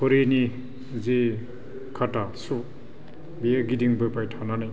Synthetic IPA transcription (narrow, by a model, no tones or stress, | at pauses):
pʰɯɾeni | ze | kʰatasu | bieɡidiŋbɯpajtʰananaj